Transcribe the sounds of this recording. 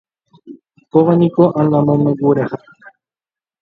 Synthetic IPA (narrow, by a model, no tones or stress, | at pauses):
koʋanĩkoʔãnlãmõmẽɡuɾaha